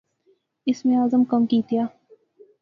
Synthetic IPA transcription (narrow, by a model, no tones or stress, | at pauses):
ɪsmẽaːzəmkɐmkiːt̪ijaː